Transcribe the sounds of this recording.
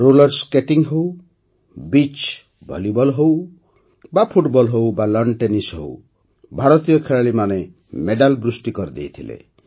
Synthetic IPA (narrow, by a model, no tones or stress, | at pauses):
ɾolɔɾskeʈiŋɦow | bit͡ʃ | bʱɔ̰ljubɔlɦow | bapʰuʈbɔlɦowbalɔɳɖʈenisɦo̰w | bʱaɾɔt̪ijɔkʰeɭaɭimane | meɖalbɾusʈikɔɾid̪ḛjt̪ʰilḛ